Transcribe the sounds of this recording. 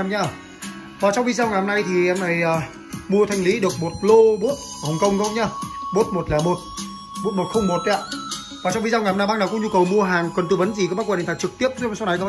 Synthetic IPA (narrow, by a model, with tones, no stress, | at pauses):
mɲaː˧˩ | vaː˨˩t͡ɕɔ˧wŋ͡mvi˧zaː˧wŋaː˨˩mna˧jt̪ʰi˨˩ʔɛ˧mna˨˩jʔaː˨˩ | mu˧ə˧t̪ʰa˧jŋ̟li˨˦ɗɨ˨˩ək̚mo˨˩t̚lo˧ɓo˦˥t̚hə˨˩wŋ͡mkə˧wŋ͡mkɔ˨˦ɲaː˧ɓo˦˥t̚mo˨˩t̚laː˨˩mo˨˩t̚ | ɓo˦˥t̚mo˨˩t̚xə˧wŋ͡mmo˨˩t̚ɲaː˧˨ | vaː˨˩t͡ɕɔ˧wŋ͡mvi˧za˧wŋaː˨˩mna˧jɓaː˦˥knaː˨˩kʊ̰˧˥ŋɲu˧kə˨˩wmu˧əɦaː˨˩ŋkwə˨˩nt̪u˧˩və˨˦nzi˨˩kaː˨˦aː˦˥kwt̪ʰa˧˩t͡ɕɨ˨˩k̚t̪i˦˥əp̚zsa˨˦na˨˩jkɔ˧˦